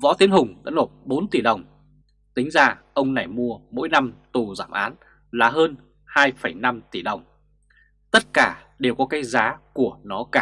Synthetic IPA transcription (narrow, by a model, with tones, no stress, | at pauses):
vɔ̰˧˥t̪i˨˦ənɦʊ˨˩ŋ͡mɗa̰ː˧˥no˨˩t̚ɓo˨˦nt̪i˧˩ɗə˨˩wŋ͡m | t̪ï˨˦ŋ̟zaː˧ʔə˧wŋ͡mna˨˩jmu˧əmo̰˧˥jna˧mt̪u˨˩za̰ː˧˩mʔa̰ː˨˦n | laː˨˩ɦəː˧n | haː˧jfə˧˩jna˧mt̪i˧˩ɗə˨˩wŋ͡m | t̪ə˦˥t̚kaː˧˩ | ɗe˨˩wkɔ˨˦kaː˨˦jzaː˨˦ku˧˩ənɔ˨˦kaː˧˩